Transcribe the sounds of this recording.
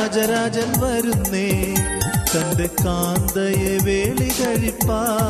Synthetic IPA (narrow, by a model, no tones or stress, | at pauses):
d͡ʒɐɾaːd͡ʒɐlʋɐɾunːeː | t̪ɐnd̪ekːaːnd̪ɐjeʋeːɭiɣɐɻipːaː